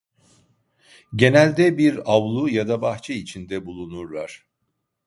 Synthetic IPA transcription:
ɟe̞nælʲd̪ɛbiɾavlˠujad̪abaxt͡ʃʰɛit͡ʃʰind̪ɛbulˠunuɾlˠaɾ̥

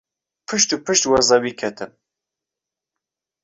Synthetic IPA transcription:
pʰɨʃt̪upʰɨʃt̪wazɑwikʰɛt̪ʰɨm

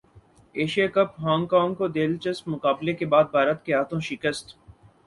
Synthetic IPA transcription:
eːʃijakəpɦãːŋɡkãːŋɡkod̪eːlt͡ʃəspmʊkaːblekebaːd̪̚bʱaːɾət̪keɦaːt̪ʰõːʃɪkəst̪

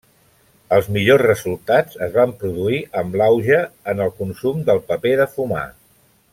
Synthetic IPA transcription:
əlˠzmiʎozrəzulˠt̪ad͡zəzβampɾuðuiʔəmblawʒəənəlˠkunsumd̪əlˠpəpeðəfuma̰

